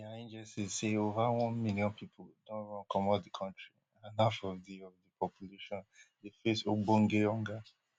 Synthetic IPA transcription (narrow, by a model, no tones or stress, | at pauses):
iaẽnd͡ʒɛsizseovawɔ̃nmiliɔ̃npʰipʰoldõnɹɔ̃nkɔmɔdikʰɔ̃ntɹi | ãnafɔvdiɔvdipʰɔpʰjuleʃɔ̃ndefesobõŋɡeɔ̃ŋɡa